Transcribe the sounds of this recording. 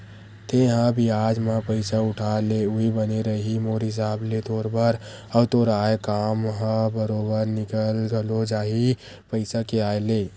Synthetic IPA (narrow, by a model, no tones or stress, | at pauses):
t̪eɦə̃bʱiad͡ʒmẽpəɪsaʊʈʰaleuɦibəneɾəɦimoɾɦɪs̬aːblet̪oɾbəɾ | əbt̪oɾaekamɦə̃bəɾobəɾnikəlɡəlod͡ʒaːɦi | pəɪsakeaele